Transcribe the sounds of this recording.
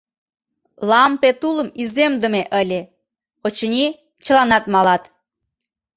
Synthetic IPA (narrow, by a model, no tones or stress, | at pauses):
lɑmpet̪uləmizemd̪ə̆meʔəlʲe | ot͡ɕənʲi | t͡ɕəlɑnɑt̪mɑlɑt̪